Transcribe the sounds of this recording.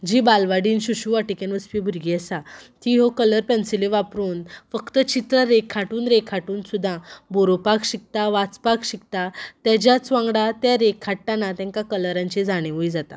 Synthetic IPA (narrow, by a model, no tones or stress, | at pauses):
d͡ʑibalʋaɽiːnɕuɕuaʈikenʋəspibʱuɾɡiəsat̪iɦokələɾpɛnsileʋapɾuːnfəkt̪ət͡ɕit̪ɾəɾekʰːaʈuːnɾekʰaʈuːnsud̪ʱːãboɾopakɕik̚t̪aʋat͡spakɕik̚t̪at̪jad͡ʑjat͡sʋãŋɡɽat̪jaɾekʰːaʈːanat̪ɛ̃ŋkakələɾãɲt͡ɕed͡zaɽ̃ẽʋuid͡zat̪a̰